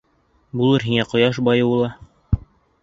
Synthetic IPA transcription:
bulˠɤɾɦiŋæqŏjɑʃ̬bɑjɤwulˠɑ

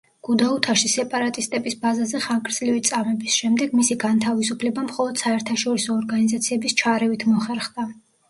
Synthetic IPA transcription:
ɡ̥ud̪aut̪ʰaʃisɛpʼaɾat̪ʼist̪ʼɛbisbazazɛχaŋkʼɾzlivit̪sʼamɛbisʃɛmd̪ɛɡmisiɡant̪ʰavis̬upʰlɛbamχɔlˠɔd̪̥saɛɾt̪ʰaʃɔɾisɔːɾɡanizat̪sʰiɛbist͡ʃʰaɾɛvit̪ʰmɔχɛɾχd̪a

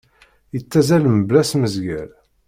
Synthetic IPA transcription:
jət͡sːæzæləmblæsməzɡæɾ

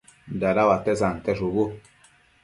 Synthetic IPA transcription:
daɾawatɛs̬an̩tɛsobo

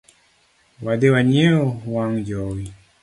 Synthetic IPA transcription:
wadewaɲeohwaŋjɔwi

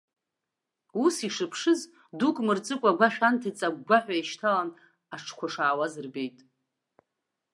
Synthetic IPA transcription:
usiʂɨpʰʂɨz | dukʼmɨrt͡sʼɨkʷʼaɡʷaχʲᶣantʰat͡sʼaɡʷaħᶣʷaiʃtʰalan | aʈ͡ʂʰkʷʰaʂaːwazɨrbe̞jtʼ

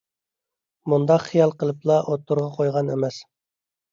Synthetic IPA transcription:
mund̪ɑqχijɑlˠqəlˠɨplˠɑʔot̪ːuɾʁɑqʰojʁɑnḛmɛs

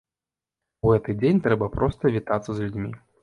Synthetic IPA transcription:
uɣɛt̪ɨd͡zʲenʲt̪ɾɛbɐpɾɔst̪ɐvʲit̪at̪sɐzlʲud͡zʲmʲi

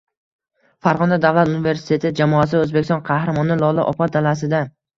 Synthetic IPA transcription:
faɾʁɒnd̪ad̪avlˠat̪unɪve̞ɾsɪ̥t̪ʰe̞t̪ʰɪd͡ʒamɒas̬ɪaɵzbekʲʰɪsɒ̃nqʰɑhɾamɒnɪlˠɒlˠɪ̰ʔɒpʰɒt̪d̪alas̬ɪd̪a

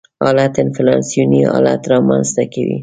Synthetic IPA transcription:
ɑlat̪ɪnfɪlɑnsijuniɑ̰la̰t̪ɾɑmanst̪akawḭ

